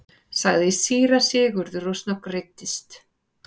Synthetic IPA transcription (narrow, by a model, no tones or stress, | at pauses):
saɣðɪisiːɾasɪːɣʏɾðʏɾosnawkrɪt̪ːɪst̪